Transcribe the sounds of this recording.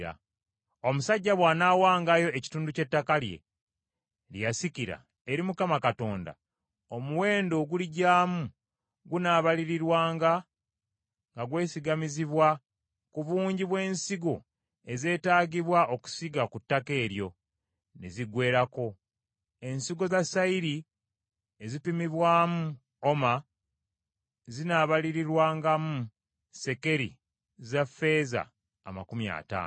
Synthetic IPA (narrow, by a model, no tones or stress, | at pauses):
a̰ | o̞musaɟːaβwaːnaːwaːŋɡajo̞e̞ci̥tuːnduce̞tːakalje̞̰ | ljjasiciɾa̰ | eɾimukamakato̞ːnda̰ | o̞muwe̞ːndo̞ɡuliɟaːmu | ɡunaːβaliɾiɾwaːŋɡa | ŋɡaɡwe̞ːsiɡamiziβwa | kuβuːɲɟiβwe̞ːnsiɡo̞ | e̞ze̞ːtaːɡiβwaʔo̞ku̥siɡakutːake̞ːɾjo̞ | ne̞̰ziɡwe̞ːɾako̞ | e̞nsiɡo̞zasaiɾi | ezipimiβwaːmu | o̞ma | zinaːβaliɾiɾwaːŋɡamu | se̞ke̞ɾḭ | zafe̞za̰ː | ma̰kumja̰ːta̰ːno